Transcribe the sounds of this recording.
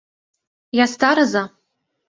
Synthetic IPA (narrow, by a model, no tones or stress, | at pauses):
jast̪aɾaza